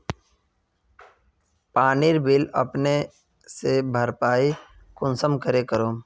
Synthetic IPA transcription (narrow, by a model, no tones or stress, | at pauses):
paːniɾbɪlɐ̰pne | sebʱəɾpaːi | kʊnsəmkəɾekəɾoː